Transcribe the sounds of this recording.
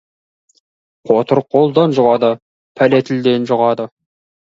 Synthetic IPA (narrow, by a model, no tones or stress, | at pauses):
qʰot̪əɾqʰːolˠd̪ɑnʒʊʁɑd̪ə | pʰælet̪ʰɪld̪e̞nʒʊʁɑd̪ə